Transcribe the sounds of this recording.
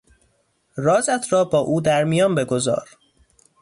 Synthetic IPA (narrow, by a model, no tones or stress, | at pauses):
rɒːzæt̪ʰɾɒːbɒːʔuːd̪æɾmijɒːnbe̞ɡozɒ̰ːɾ